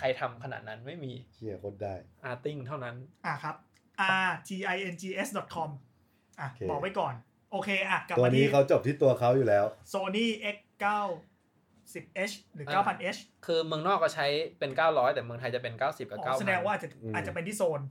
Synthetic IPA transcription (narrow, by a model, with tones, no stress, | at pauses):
kʰa˧jt̪ʰa˧mkʰa˧na̰ː˨˩t̪̚na˦˥nma˥˩jmiː˧kʰi˧˥˩ɐkʰo˦˥t̪̚daː˥˩jʔaː˧t̪i˥˩ŋt̪ʰa˥˩wna˦˥nʔa˨˩kʰa˦˥p̚ | ʔaː˧t̪ʰiː˧ʔa˧jʔe˧nt͡ɕʰiː˧ʔe˦˥sdɔ˨˩t̪̚kʰɔ˧m | ʔa˧˩bɔ˨˩k̚wa˦˥jkɔː˨˩n | ʔoː˧kʰeː˧ʔa˧˩kla˨˩˧a˧niː˦˥˩a˦˥wt͡ɕo˨˩p̚t̪ʰiː˥˩t̪u˧ɐkʰa˦˥wjuː˨˩lɛː˦˥wsoː˧niː˥˩ʔe˦˥k | kaː˥˩w | si˨˩p̚ʔe˦˥t͡ɕʰɾɯː˩˦kaː˥˩pʰa˧nʔe˦˥t͡ɕʰ | kʰɯː˧mɯ˧ŋnɔː˥˩k̚ːɔ˥˩t͡ɕʰa˦˥jpe˧nkaː˥˩wɾɔː˦˥jt̪ɛː˨˩mɯ˧ŋt̪ʰa˧jt͡ɕa˨˩pe˧nkaː˥˩wsi˨˩p̚ka˨˩˧kaː˥˩wsa˧dɛː˧ŋwa˥˩˨aː˨˩t͡ɕːa˨˩aː˨˩t̪̚t͡ɕa˨˩pe˧nt̪ʰiː˥˩soː˧n